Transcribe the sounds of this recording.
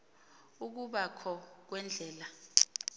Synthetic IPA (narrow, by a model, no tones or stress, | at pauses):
uk̬uɓakʰɔk̬wɛnd͡ɮʱɛːla